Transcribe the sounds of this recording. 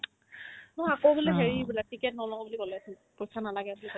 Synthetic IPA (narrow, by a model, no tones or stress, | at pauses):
nɔakowbulɛɦeɹibilatikɛtnɔlɔŋɔbulikɔlɛasi | pojsanalaɡɛbulikɔl